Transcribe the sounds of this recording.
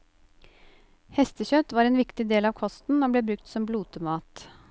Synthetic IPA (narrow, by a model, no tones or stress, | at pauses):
hɛst̪əçœt̪ʋɑːɾeːnʋɪkt̪ɪd̪eːlɑːʋkʰɔst̪n̩oːbleːbɾʉkt̪sɔmbluːt̪əmɑːt̪